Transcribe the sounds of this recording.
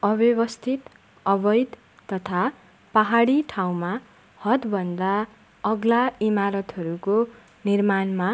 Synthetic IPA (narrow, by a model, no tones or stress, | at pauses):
ʌbjʌbʌst̪ʰit̪ | ʌbʌjd̪ː | ʌt̪ʰa | paɦaɽiʈʰaw̃ma | hʌt̪bʱʌnd̪a | ʌɡlaimaɾʌt̪ʌɾuko | nirmanma